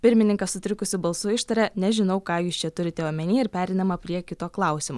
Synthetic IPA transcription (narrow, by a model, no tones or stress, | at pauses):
pʲɪɾʲmʲɪnʲɪŋkɐssʊt̪ʲɾʲɪkʊsʲɪbɐlˠsuːɪʃt̪ɐɾʲɛnʲɛʒʲɪnɐʊkɑːjuːst͡ʃʲɛt̪ʊɾʲɪt̪ʲɛomʲɛnʲiːɪɾpʲæːɾʲɛɪnɐmɐpʲɾʲiɛkʲɪt̪oːklˠɑˑʊsʲɪmoː